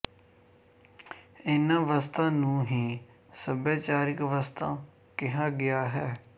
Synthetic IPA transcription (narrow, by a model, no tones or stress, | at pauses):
ɪnãːʋast̪ãːnũːɦiː | səbaːt͡ʃaːɾɪkʋast̪ãː | kɪɦãːɡɪjaːɦɛː